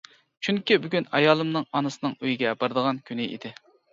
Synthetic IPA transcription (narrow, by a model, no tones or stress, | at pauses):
t͡ʃʰyŋkʲibyɡʲynɑjɑːlˠɨmnɨŋɑnɨsɨnɨŋøjiɡʲɛbɑɾɨd̪əʁɑnkʲʰynɪʔḭd̪ɪ